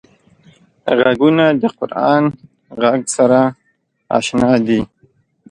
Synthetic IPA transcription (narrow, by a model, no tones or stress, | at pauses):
ɣaɡunad̪əqʊɾɑːn | ɣaɡsaɾa | ɑ̰ʃnɑd̪i